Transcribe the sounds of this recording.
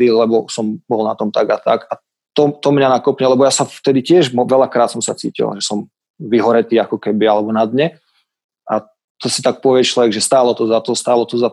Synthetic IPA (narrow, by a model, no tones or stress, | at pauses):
ilɛbɔsɔmbɔlna̰t̪ɔmt̪aɡat̪a̰ɡa | t̪ɔt̪ɔmɲanakɔpɲɛlɛbɔjasaft̪ɛd̪icɪɛʒmɔʋɛʎakɾaːt̪sɔmsa̰t͡sḭːcḭla̰ʒɛsɔm | ʋiɦɔɾɛt̪iːakɔkɛbialɛbɔnad̪ɲɛ | a̰ | t̪ɔsi̥t̪ak̚pɔʋɪɛt͡ʃlɔʋɛɡʒɛst̪aːlɔt̪ɔzat̪ɔst̪aːlɔt̪ɔza